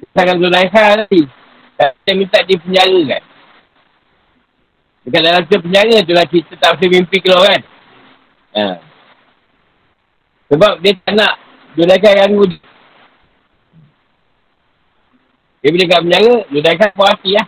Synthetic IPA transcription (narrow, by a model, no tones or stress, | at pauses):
saŋalunaikai | kat̪amint̪aʔdipəɲaŋəka̰n | dəkadalamtəp̬əɲaŋət̪̬ulakit̪ət̪as̬emimpikəloɣan | a̰ | səbap̚diət̪aʔnaʔ | dunaikajanɡudi | diebudikapəɲaŋədudaikapaat̪iah